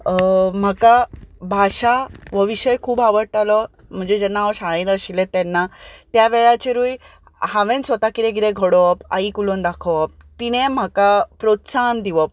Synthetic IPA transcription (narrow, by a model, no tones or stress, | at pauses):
m̤akabʱaɕaʋəʋiɕəjkʰuːbaʋəɽʈalɔ | m̤əɳd͡zed͡ʑɛnːaʋɔɕaɭ̃ĩt̪əɕilẽt̪ɛnːat̪jaʋeɭat͡ɕeɾuːj | hãʋẽnsʋət̪akiɾẽɡiɾẽɡʱɔɽɔpa̰ikulond̪akʰɔʋp̚ | t̪iñẽm̤akapɾot̪sand̪iʋəp̚